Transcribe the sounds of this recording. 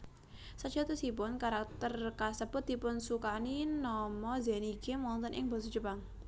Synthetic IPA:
sə̥ʒ̥a̤t̪usip̬ʊnkaɾak̚t̪ərkasəb̥ʊt̪̚d̪̥i̤pʊnsukaninɔmɔzɛniɡemɔnt̪ənʔɪŋbɔsu̥d͡ʒəpaŋ

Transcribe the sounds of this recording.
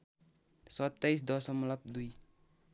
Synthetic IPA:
sɔt̪ːɛis̬d̪ɔsɔmlap̚d̪ui

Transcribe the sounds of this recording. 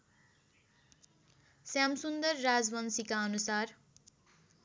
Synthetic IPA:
sjamsund̪ʌrːad͡zbʌnsikaʌnusar

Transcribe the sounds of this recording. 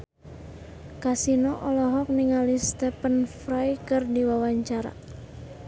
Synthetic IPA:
kasinɔʔɔlɔɦɔk̚niŋalist̪ɛpənfɾajkɨrdiwawaɲt͡ʃaɾa̰

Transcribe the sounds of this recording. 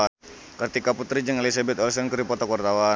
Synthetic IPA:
kərt̪ikaput̪ɾid͡ʒəŋelis̬abɛt̪ɔlsɔnkəɾipɔt̪ɔkwart̪awa

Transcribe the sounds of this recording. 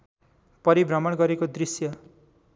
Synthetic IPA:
pʌɾibrʌmʌɽɡʌɾekod̪risjʌ

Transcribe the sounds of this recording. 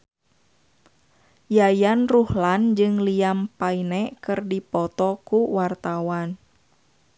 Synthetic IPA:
jajanruhland͡ʒɨŋliampainɛkɨrdipɔt̪ɔkuwart̪awan

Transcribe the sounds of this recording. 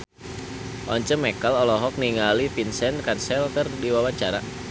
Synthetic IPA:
ʔɔɲt͡ʃəmɛkalɔlɔɦɔk̚niŋalipinsɛnkansɛlkərdiwawaɲt͡ʃaɾa

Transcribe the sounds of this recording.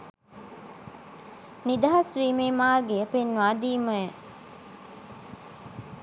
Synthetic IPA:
nid̪ɐɦɐsʋiːmeːmaːɾɡeəpenːaːd̪iːmɐje

